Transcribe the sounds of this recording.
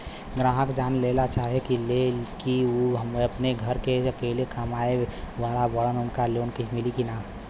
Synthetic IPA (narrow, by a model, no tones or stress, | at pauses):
ɡɾãːɦəkd͡ʒaːnlelat͡ʃaːɦekilekiuɦəmɐpneɡʱəɾkeɐkeːlekamaːeʋaːlabəɽənʊnkaloːnkit͡ʃmɪlikinaː